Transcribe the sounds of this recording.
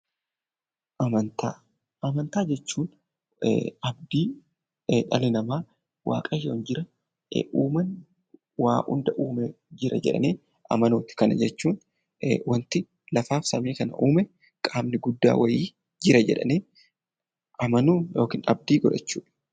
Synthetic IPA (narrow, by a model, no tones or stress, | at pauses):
ʔɐmɐnt̪aː | ʔɐmɐnt̪aːd͡ʒɛt͡ʃːuːn | ɐb̚d̪iː | ᶑɐlɪnɐmaː | wa̰ːkʼɐjowɔnd͡ʒɪɾɐ̰ | ʔuːmɐn | waːʔʊ̰nd̪ɐʔuːmɛ | d͡ʒɪɾɐ̰d͡ʒɛ̰ᶑɐ̰neː | ʔɐ̰mɐnoːt̪ɪ̥kɐnɐ̰d͡ʒɛt͡ʃːuːn | wɐnt̪ɪ | lɐfaːfsɐmiːkɐnɐ̰ʔuːmɛ | kʼaːmnɪɡʊd̪ːa̰ːwɐjiː | d͡ʒɪɾɐd͡ʒɛ̰ᶑɐ̰neː | ʔɐmɐnuːjo̞ːkiːnɐ̰b̚d̪iːɡɔᶑɐt͡ʃːuːᶑɐ̥